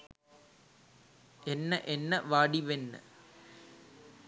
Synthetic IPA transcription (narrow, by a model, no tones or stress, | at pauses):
enːɐʔenːɐʋaːɽiʋenːɨ̰